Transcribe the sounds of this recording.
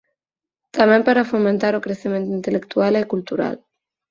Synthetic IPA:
t̪amempaɾafoment̪aɾokɾesement̪int̪elekt̪ualekult̪uɾa̰l

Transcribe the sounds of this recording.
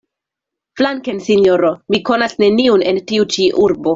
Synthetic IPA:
flaŋkensinjoɾomiko̞nasne̞niunentiut͡ʃiʔuɾbo

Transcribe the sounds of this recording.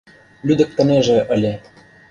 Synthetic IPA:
lʲyd̪ə̆k̚t̪ə̆neʒĕʔə̆lʲĕ

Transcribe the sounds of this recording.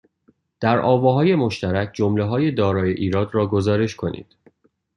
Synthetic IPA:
d̪̥æɾʔɒːvɒːɦɒːje̞mo̞ʃt̪æɾæcʰd͡ʒomleɦɒːje̞d̪ɒːɾɒːje̞ʔiːɾɒːd̪ɾɒːɡo̞zɒːɾe̞ʃkʰo̞nḭːd̪̥

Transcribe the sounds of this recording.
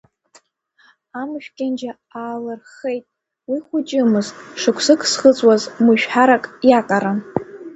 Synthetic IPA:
amʃᶣkʲʼand͡ʒa | aːlɨrχe̞jtʼ | wiχʷʊt͡ʃʼɪmɨztʼʂɨkʷʰsɨkʰsχət͡sʼwazmɨʃᶣħaɾakʼjaqʼaɾan

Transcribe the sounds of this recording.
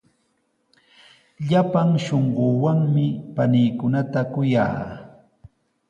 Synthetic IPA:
ʎapaŋʃoɴɢoːwaŋmɪpanɪjkʊnat̪akʊja̰ː

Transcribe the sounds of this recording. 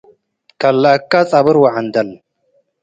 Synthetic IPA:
kɐlːakːat͡sʼabɨɾwaʕand̪ɐl

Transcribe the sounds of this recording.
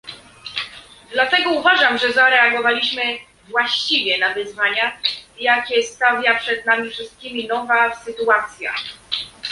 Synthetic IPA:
d̪lat̪ɛɡɔuvaʐamʐɛzaɾɛaɡɔvalʲiɕmɘ | vwaɕt͡ɕivʲjɛnavɘzvaɲajakʲɛst̪avʲjapʂɛd̪̚namʲifʂɘst̪̚kʲimʲinɔvasɘt̪uat̪sʲja̰

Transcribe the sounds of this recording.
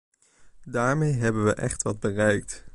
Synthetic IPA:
daːɹmejɦɛbənʋəʔɛχtʋɑd̚bərɛjk̚t

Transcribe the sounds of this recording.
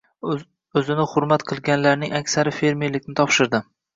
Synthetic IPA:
ɵzɪnɪhʊɾmat̪qʰɨlˠɡʲanlaɾnɪŋakʲsaɾɪfe̞ɾmelɪkʲnɪt̪ʰɒpʃɪɾd̪ɪ

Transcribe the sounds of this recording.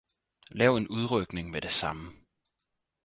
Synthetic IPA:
lɛːʊe̝nuð̞ˠʁœɡ̥ne̝ŋmed̥e̝sɑ̈mə

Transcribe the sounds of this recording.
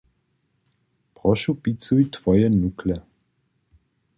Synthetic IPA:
pʁɔʃupit͡sujt̪v̥ɔjɛnuklɛ

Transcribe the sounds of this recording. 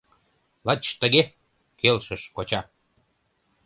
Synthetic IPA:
lɑt͡ɕʃt̪əɣe | kelʃəʃkot͡ɕɑ

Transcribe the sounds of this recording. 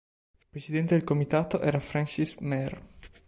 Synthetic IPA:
pɾesid̪ɛnt̪ed̪elkomit̪aːt̪oʔɛːɾafɾansismɛr

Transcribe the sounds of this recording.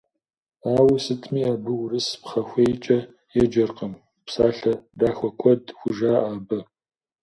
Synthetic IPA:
aːwsɨtʰʼmiːaːbɨwrɨspχɐxʷejt͡ʃʼɐ | jɛd͡ʒɐrqɐm | psaːɬɐdaːxʷɔkʷʰɔdxʷʊʒaːʔaːbɐ

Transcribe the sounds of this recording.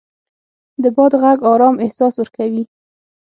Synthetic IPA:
d̪əbɑd̪ɣaɡɑɾɑmɪhsɑswəɾkawi

